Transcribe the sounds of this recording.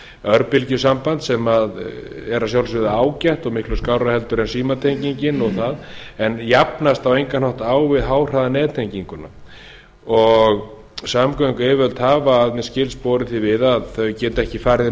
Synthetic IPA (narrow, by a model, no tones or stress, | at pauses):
œɾpɪlcʏsampant̪sɛmaðɛɾasjawlsvɪðaaːwcajht̪ɔɣmɪhklʏskaːwɾahɛlt̪ʏɾɛnsiːmat̪ʰejɲciɲcɪnɔɣθaðɛnjapnast̪awejŋkanɔht̪aːwvɪðɦaːwr̥aðanɛːðt̪ʰejɲciŋkʏna̰ | ɔɣ | samkaŋkʏɛvœlt̪haːvaːðmɛscɪlspɔːɾɪθivɪðaðθœɥcɛːt̪ɛhcɪfaːɾð